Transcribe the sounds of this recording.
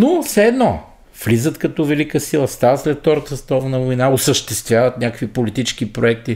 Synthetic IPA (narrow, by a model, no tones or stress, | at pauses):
nofsɛɛd̪nɔ | flizət̪kɐt̪ɔvɛlikəsilˠəst̪avəslɛt̪ːɔɾt̪əst̪ɔvnəvojnaosəʃt̪ɛst̪vʲjavət̪nʲakəkvipolit̪it͡ʃk̟ipɾoɛk̚t̪i